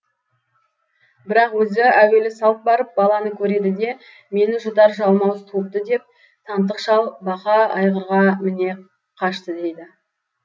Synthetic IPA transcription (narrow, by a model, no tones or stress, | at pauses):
bɪɾɑqwɵzɪæwe̞lɪsɑlˠəp̚bɑɾəp̚bɑlˠɑnəkʲʰɵɾe̞d̪ɪd̪e̞ | me̞nɪʒʊd̪ɑɾʒɑlˠmɑwst̪ʰuəp̚t̪əd̪e̞p̚ | t̪ʰɑnt̪əqʃɑlˠbɑqɑɑjʁəɾʁɑmɪne̞ | qʰɑʃt̪əd̪e̞jd̪ɪ